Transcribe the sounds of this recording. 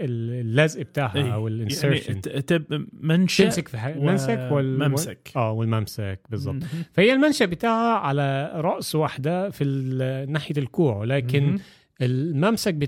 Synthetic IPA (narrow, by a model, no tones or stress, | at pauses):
ellːæzʔɪb̚t̪aːhʔæwɪlʔɪnseɾʃnt̪ebmænʃɪmsakfiæmænsækwɪlmmkʔæːwɪlmæmsækbezˤːɑb̚t̪ˤfæhɪjːælmænʃæbɪt̪aːʕhæʕalæɾˤɑʔsˤwaħd̪æfinaːħjælkuːʕwlæːkɪn | ʔelmæmsæk̚bɪ